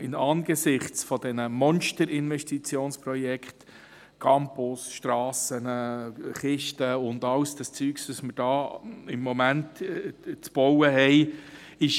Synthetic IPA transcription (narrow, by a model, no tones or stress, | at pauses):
ɪnɑːnɡ̥əsɪχt͡sfɔd̥ɛnəmɔnʃtəɾɪnvɛʃtit͡sjoːnsprɔjɛkχt | kʰɑmpʊsʃtrɑːsənəχɪʃtəʊndɑlsd̥ɑst͡syːkstɑsməɾd̥ɑːɪmːɔmæntt͡sb̥ɔwəɦɛɪ | ɪʃ